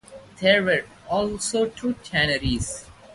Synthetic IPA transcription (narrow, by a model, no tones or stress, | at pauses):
d̪eːɾʋəɾ | ɔːlsoːʈʰuːt͡ʃʰænəɾiz